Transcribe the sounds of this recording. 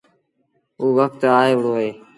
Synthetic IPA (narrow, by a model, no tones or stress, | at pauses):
ɦuːʋək̚t̪aːɦeːʋəɽoːɦeː